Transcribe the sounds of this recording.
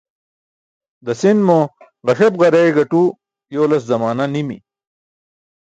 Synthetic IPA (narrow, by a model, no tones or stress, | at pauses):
d̪ɐsinmo | ʁɐʂɐbʁɐɾeɡɐʈu | jowlɐszɐmaːnanimḭ